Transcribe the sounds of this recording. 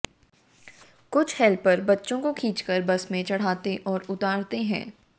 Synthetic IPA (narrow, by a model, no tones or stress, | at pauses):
kʊt͡ʃʰhɛːlpːɐɾbɐtːʃõkokʰiːt͡ʃkəɾbɐsmẽt͡ʃɐɽ̤aːt̪eʔɔːɾʊt̪aːɾt̪eɦɛ̰̃ː